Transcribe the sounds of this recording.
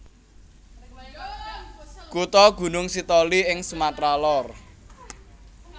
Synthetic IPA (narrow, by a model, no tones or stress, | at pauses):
kut̪ɔɡ̥ṳnʊŋsit̪ɔliɪŋsumat̪ɾalɔr